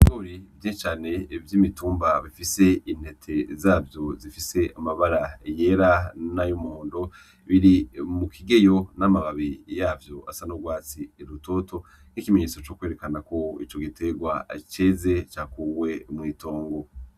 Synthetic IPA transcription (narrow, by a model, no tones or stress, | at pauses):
oɾivjeʃt͡ʃaːne̞vjiːmituːmbaβifise̞in̥he̞tʰe̞zaːvjo̞zifise̞ʔamaβaɾaje̞ɾanajumuhoːndo̞ | βiɾimukʰiɡe̞jo̞namaβaβijaːvjo̞a̰sanoɡwaːt͡siɾuto̞to̞ | n̥ikimeɲeːt͡so̞t͡ʃoːkwe̞ɾe̞kanako̞ḭt͡ʃo̞ɡitʰe̞ɡwa̰t͡ʃeːze̞t͡ʃakuwe̞mŋiːtoːŋɡo